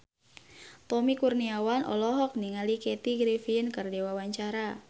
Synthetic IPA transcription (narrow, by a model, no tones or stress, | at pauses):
t̪ɔmikurniawanʔɔ̰lɔɦɔk̚niŋalikɛt̪iɡɾifiənkərdewawaɲt͡ʃaɾa